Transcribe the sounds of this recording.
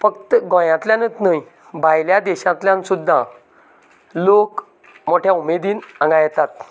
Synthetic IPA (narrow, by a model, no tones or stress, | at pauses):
fək̚t̪əɡɔ̃jãt̪ljãnət̪nəj | bʱajljad̪ɛɕãt̪ljãnsud̪ʱːa | lok | moʈʰjãumed̪iːnə̃ŋɡajt̪at̪